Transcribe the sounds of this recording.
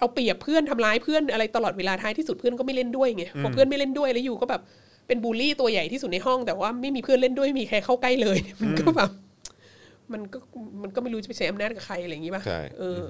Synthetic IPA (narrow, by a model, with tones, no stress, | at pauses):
ʔa˧wpli˨˩əpʰːɯ˥˩ənt̪ʰa˧mlaː˦˥jpʰɯ˥˩ənʔa˧ɾa˧jt̪a˧lɔː˨˩t̪̚weː˧laː˧t̪ʰaː˦˥t̪ʰiː˥˩su˨˩t̪̚pʰɯ˥˩ənkɔː˥˩ma˥˩jle˥˩ndu˥˩əjŋi˦˥pʰɔː˦˥pʰɯ˥˩ənma˥˩jle˥˩ndu˥˩əjlɛ˦˥juː˨˩kɔː˥˩bɛː˨˩p̚ː | e˧nbuː˧liː˥˩t̪u˧ɐja˨˩jt̪ʰiː˥˩su˨˩t̪̚na˧jɦɔ˥˩ŋt̪ɛː˨˩waː˥˩ma˥˩jmiː˧pʰɯ˥˩ənle˥˩ndu˥˩əma˥˩miː˧kʰaː˧˩kʰa˥˩wka˥˩jlɤː˧jni˥˩ma˧nkɔː˥˩bɛː˨˩p̚ | ma˧nkɔː˥˩ma˧nkɔː˥˩ma˥˩jɾuː˦t͡ɕa˨˩pe˧˩t͡ɕa˦jʔa˧mnaː˥˩t̪̚ka˨˩kʰa˧jʔa˧a˧ji˦˥ba̰˦˥˩ʔɤː˧